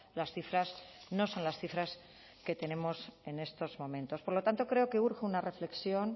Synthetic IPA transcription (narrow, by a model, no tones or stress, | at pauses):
lasθifɾasno̞so̞nlasθifɾas | ke̞t̪e̞nẽ̞mo̞se̞ne̞st̪o̞zmõ̞mẽ̞nt̪o̞spo̞ɾlot̪ant̪o̞kɾe̞o̞ke̞uɾxeunare̞fle̞ksjo̞n